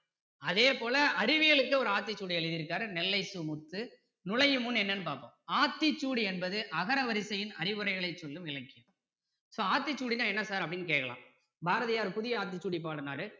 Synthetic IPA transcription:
ɐðeːpoːlɐɐɾɪʋɪɣɐɭɯkːɯɔɾɯaːt̪̬ːɪt͡ʃːuːɽɪɛɭɪðɪɾɯkːaːɾɯnɛlːɐɪsɯmʊt̪ːɯ | nʊlɐjɯmʊnɛnːɐnːɯpaːɾpo̰ːmaːt̪ːɪt͡ʃːuːɽiɛnbɐðɯʔɐɣɐɾɐʋɐɾɪsɐjɪnɐɾɪʋɯɾɐɪɣɐɭɐɪt͡ʃːɔlːɯmɪlɐkːɪjɯm | soːaːt̪ːɪt͡ʃːuːɽinaːɛnːɐsaːɾɐpːɐɽɪnːɯk̬eːʈkːɐla̰ːm | bʱaːɾɐðɪjaːɾpʊðɪjɐaːt̪̬ːɪt͡ʃːuːɽip̬ːaːɽɯnaːɾɯ

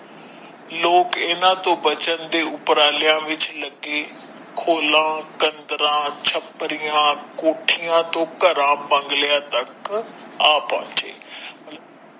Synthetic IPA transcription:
loːkɪnãːt̪õːbət͡ʃənd̪eːʊpɾaːlɪjãːʋɪt͡ʃləɡeː | kʰoːlãːkənd̪əɾãːt͡ʃʰəpːɾɪjãːkoːʈʰijãːt̪õːkəɾãːbə̃ŋɡlɪjãːt̪əkaːpã̰ːt͡ʃḛːmət̪lə

